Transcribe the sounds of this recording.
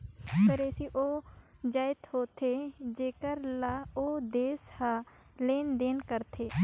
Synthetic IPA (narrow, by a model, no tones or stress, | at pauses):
kəɾeːsiːʔoːd͡ʒaːɪt̪ɦoːt̪ʰeːd͡ʒeːkəɾlaːoːd̪eːshaː | leːnd̪eːnkəɾt̪ʰeː